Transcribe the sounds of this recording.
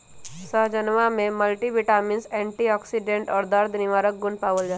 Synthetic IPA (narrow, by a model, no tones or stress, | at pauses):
səɦd͡ʒənʋamẽməlʈiʋɪʈaːmɪnsɛ̃ːɳʈiɔːksiɖẽɳʈɔːɾd̪əɾd̪ʱnɪʋaːɾək̚ɡʊnpaːʋəld͡ʒaː